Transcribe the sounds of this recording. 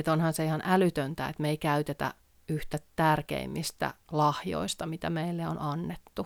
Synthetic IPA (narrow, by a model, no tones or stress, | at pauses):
et̪onhɑnseihɑnʔælyt̪ønt̪æḛt̪meikæyt̪et̪æ̰ | yht̪æt̪ærkḛimːist̪æ̰lɑhjo̰ist̪ɑmit̪æmeilːeonɑnːet̪ːu